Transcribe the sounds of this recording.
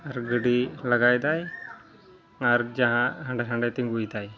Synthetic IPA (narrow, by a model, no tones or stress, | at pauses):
aɾɡəɽiləɡajd̪aj | aɾd͡ʒaɦãɦãɳɖaãɳɖajt̪iŋɡujd̪aj